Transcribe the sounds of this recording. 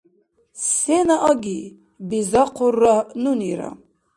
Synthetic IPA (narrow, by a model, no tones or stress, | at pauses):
sɛnaʔaɡi | bizaqʰurːanuniɾa̰